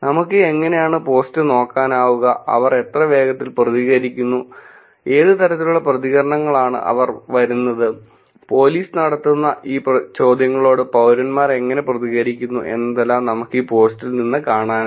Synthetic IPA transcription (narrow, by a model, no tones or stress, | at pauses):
nɐmukːɨe̞ŋːɐne̞jaːɳɨpo̞ːstɨno̞ːkːaːnaːʋuɣɐɐ̰ʋɐre̞t̪rɐʋe̞ːɡɐt̪ːilprɐðiɣɐɾikʲːunːu | e̞ːðɨt̪ɐɾɐt̪ːiluɭːɐprɐðiɣɐɾɐɳɐŋːɐɭaːɳɨ̰ʔɐ̰ʋɐrʋɐɾunːɐðɨ | po̞ːliːsɨnɐɽɐt̪ːunːɐʔiːprɐt͡ɕo̞ːd̪ʱjɐŋːɐɭo̞ːɽɨpɐwɾɐnmaːre̞ŋːɐne̞prɐðiɣɐɾikʲːunːṵʔe̞̰nːɐðelːaːmnɐmukːiːpo̞ːstilninːɨkaːɳaːn